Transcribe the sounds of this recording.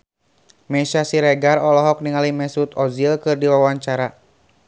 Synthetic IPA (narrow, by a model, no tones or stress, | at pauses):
mɛsasiɾɛɡarɔlɔɦɔk̚niŋalimɛsut̪ɔzilkɨrdiwawaɲt͡ʃaɾa